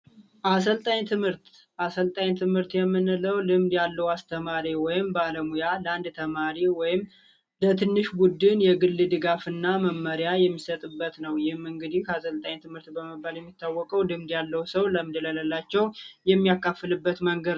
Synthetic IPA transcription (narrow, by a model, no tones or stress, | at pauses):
ʔas̬əlt̪ʼaɲt̪ʰɨmhɨɾt̪ | ʔasəlt̪ʼaɲt̪ʰɨmhɨɾt̪jɛmːɨnɨləwlɨmd̪jalːəwast̪ʰəmaɾiwɔjɪmbaləmujaləand̪t̪ʰəmaɾiwɔjɪm | lət̪ʰɨnːɨʃbud̪ɨnjɛɡɨlːɨd̪ɨɡafɨnːaməmːəɾjajɛmːisət̪ʼɨbːət̪nəwjɪhɨmɨŋɡɨd̪ihkasəlt̪ʼaɲt̪ʰɨmhɨɾt̪bəməbaljɛmːit̪ʰːawːɔkʼəwlɨmd̪jalːəwsəwləmɨd̪ələləlːat͡ʃːɛwjɛmːijakʰːafːɨlɨbːət̪məŋɡəd̪